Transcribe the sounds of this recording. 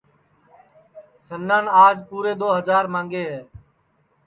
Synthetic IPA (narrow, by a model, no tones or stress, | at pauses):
sənːãːnaːd͡ʒpuːɾeːd̪oːɦəzaːɾmãːŋɡeːɦɛː